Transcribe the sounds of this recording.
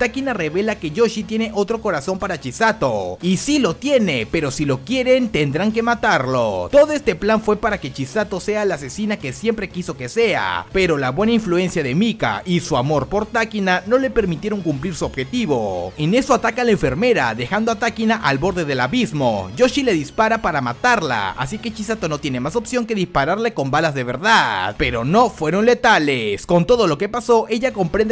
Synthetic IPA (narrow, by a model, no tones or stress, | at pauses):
t̪akinare̞βe̞lake̞ʝo̞ʃit̪je̞ne̞ʔo̞t̪ɾo̞ko̞ɾaso̞mpaɾat͡ʃisat̪o̞isilo̞t̪je̞ne̞pe̞ɾo̞silo̞kje̞ɾe̞nt̪e̞nd̪ɾaŋk̬e̞mat̪aɾlo̞̰t̪o̞ðoe̞st̪eplanfwe̞paɾake̞t͡ʃisat̪o̞se̞alase̞sinake̞sje̞mpɾe̞kiso̞ke̞se̞a̰pe̞ɾo̞laβwe̞naiɱflue̞nsjaðe̞mika̰isuamo̞ɾpo̞ɾt̪akinano̞le̞pe̞ɾmit̪je̞ɾo̞ŋkumpliɾsuo̞bxe̞t̪iβo̞ene̞so̞at̪akalaeɱfe̞ɾme̞ɾa̰ðe̞xand̪o̞at̪akinaʔalbo̞ɾðe̞ðe̞laβizmo̞̰ɟ͡ʝo̞ʃile̞ðispaɾapaɾamat̪aɾla̰a̰sike̞t͡ʃisat̪o̞no̞t̪jene̞maso̞psjo̞ŋke̞ðispaɾaɾle̞ko̞mbalazðe̞βe̞ɾðaðpe̞ɾo̞no̞fwe̞ɾo̞nle̞t̪ale̞sko̞nt̪o̞ðo̞lo̞ke̞paso̞ʔe̞ʝako̞mpɾend̪